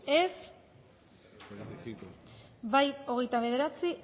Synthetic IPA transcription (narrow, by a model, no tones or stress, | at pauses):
es | βajo̞ɣe̞jt̪aβ̞e̞ðe̞ɾat͡si